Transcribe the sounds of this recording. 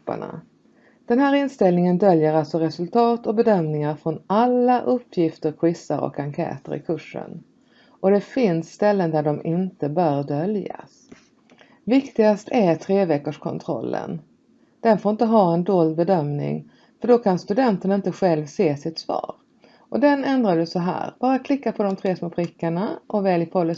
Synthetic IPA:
pːə̰ɳa̰ | d̪̥ɛnɦæːɾɪnst̪ɛlnɪŋənd̪œljəɾalt̪sɔɾɛsɵlt̪ʰɑːt̪ɔbɛd̪œmnɪŋaɾfɾɔnalːaʔɵpʰːjɪft̪əɾkʰwɪsːaɾɔ̰kaŋkʰɛ̰ːt̪ə̰ɾɪ̰kʰɵʂːə̰n | ʔɔd̪ɛfɪnsːt̪ɛlːənd̪æɖɔmɪnt̪əbœːɾɖœlja̰s | vɪkt̪ɪɡast̪ʰæɾt̪ʰɾeːvɛkːəʂkʰɔ̰nt̪ʰɾɔ̰lːə̰n | d̪̥ɛnfoːɾɪnt̪əɦɑːɛnd̪oːld̪bɛd̪œmnɪ̰ŋ | fœɖɔkʰanst̪ɵd̪ɛnt̪əɳaɪnt̪əɧɛlvseːsɪt̪svɑ̰ːɾ | ʔɔd̪ɛnɛnd̪ɾadəsɔɦæ̰ːɾb̥ɑːɾakʰlɪkːapʰɔd̪ɔmt̪ʰɾeːsmoːpʰɾɪkːaɳaʔɔvɛːljɪpʰɔlːə

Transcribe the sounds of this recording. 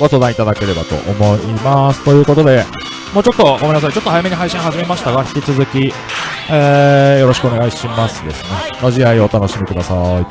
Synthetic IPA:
ɡ̥o̞so̞ːd̪ãit̪ad̪ake̞ɾe̞bat̪o̞̰ʔomo̞imasɨ̥t̪o̞jɯ̟ːko̞t̪o̞d̪e̞ | mo̞ːt͡ɕo̞t̪ːo̞ɡomẽnas̬ait͡ɕo̞t̪ːohajame̞ɲiɦaiɕĩɰ̃ɦaʑime̞maɕi̥t̪aɡaçʲi̥kʲit͡sɨzɨkʲi | eːjo̞ɾo̞ɕikɯoneɡaiɕimasɨd̪e̞̰sɨne̞no̞ʑiaio̞t̪ano̞ɕimʲikɯ̟d̪asai

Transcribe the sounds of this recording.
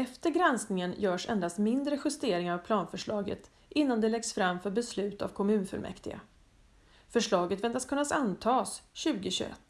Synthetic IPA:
ɛft̪əɾɡɾɛnsknɪŋənjœːʂɛ̰nd̪ast̪mɪnd̪ɾəɧɵst̪eːɾɪŋaɾavpʰlɑːnfœʂɭɑːɡə̰t̪ | ʔɪnːand̪ɛlɛɡsfɾamːfœɾbɛslʉ̟ːt̪a̰vkʰɔmʉ̟ːnfœ̰lmʔɛ̰kt̪ɪɡa̰ | fœʂɭɑːɡət̪vɛnt̪askʰɵnːasant̪ʰɑːsɕʉ̟ːɡəɕɵɛ̰t̪ː

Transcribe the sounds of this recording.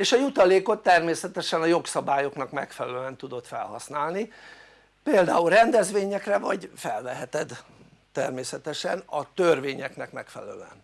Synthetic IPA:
eːʃɒjut̪ɒleːko̞t̪ːɛrmeːsɛt̪ɛʃɛnɒjo̞ksɒbaːjo̞knɒkmɛkfɛlɛløɛnt̪ud̪o̞t̪fɛ̰lhɒ̰snaːlni | peːld̪aːulrɛnd̪ɛzʋeːɲɛkrɛvɒɟfɛlvɛɦɛt̪ɛd̪ː | ɛrmeːsɛt̪ɛʃɛnɒt̪ørveːɲɛknɛkmɛkfɛ̰l̰ɛlø̟ɛ̰n

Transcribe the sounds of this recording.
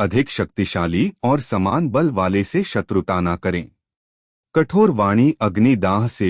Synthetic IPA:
ɐd̪ʱɪkʃɐk̚t̪iʃaːliɔːɾsɐmaːnbɐlʋaːleseʃɐt̪ɾʊt̪aːnakɐɾẽː | kɐʈʰoːɾʋaːɽ̃iʔɐɡnid̪aːɦse

